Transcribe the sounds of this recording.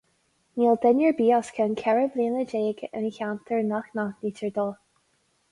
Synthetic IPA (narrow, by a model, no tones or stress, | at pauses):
niːlˠd̪ɛnjəɹbiːɔskʰənkʰɛɹəvliːnəd͡ʒeːɡə̰nçawnt̪ʰəɹnaxnaniːtʰəɹd̪ɔlˠ